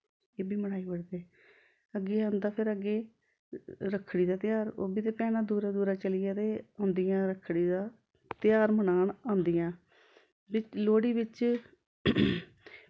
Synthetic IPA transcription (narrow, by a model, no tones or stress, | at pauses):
eːbiːməɽaːiːbəɽd̪eː | əɡːeːãːnd̪aːpʰɪɾəɡeː | ɾəkʰːɽiːd̪aːt̪ɪjaːɾo̰ːbiːt̪eːpɛːnaːd̪uːɾaːd̪uːɾaːt͡ʃəlijaːt̪eːõːnd̪ijãːɾəkʰːɽiːd̪aː | t̪ɪjaːɾmənaːɳãːnd̪ijãː | bɪt͡ʃloːɽiːbɪt͡ʃ